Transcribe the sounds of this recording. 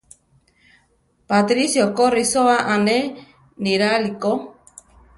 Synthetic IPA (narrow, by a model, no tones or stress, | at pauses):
pat̪ɾisjokorisoaʔande | niɾaliko